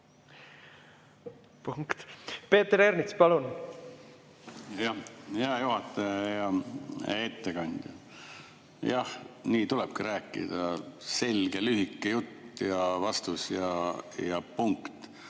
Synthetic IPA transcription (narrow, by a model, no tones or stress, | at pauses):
puŋkt̪pe̞ːt̪ːɾeɾnit̪spɑlun | jɑjɑjuɦɑt̪ːˑejɑ | et̪ːekɑnʲd̪̥jɑ | jɑhniːt̪ulɛb̥kiɾæːkːˑḭd̪̥ɑse̞lɡ̥elyɦikːˑejut̪ːjɑvɑst̪usjɑjɑpuŋkt̪